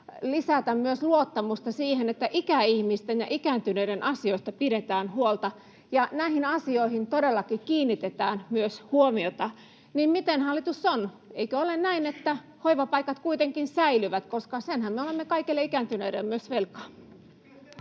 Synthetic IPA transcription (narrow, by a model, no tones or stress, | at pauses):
lisæt̪æmmyøsluot̪ːɑmust̪ɑsiːhenet̪ːæʔikæihmist̪enjɑʔikænt̪ynøiɾenʔɑsioist̪ɑpiɾet̪æːnhuolt̪ɑ | jɑnæihinɑsioihint̪odelːɑkikiːnːit̪et̪æːnmyøshuomiot̪ɑ | nimmit̪enhɑlːit̪usːon | eikøolennæinet̪ːæ | hoiʋɑpɑikɑt̪kuit̪eŋkinsæilyʋæt̪koskɑsenhæmmeolemːekɑikilːeikænt̪ynøiɾḛlːmyøsʋelkɑ̥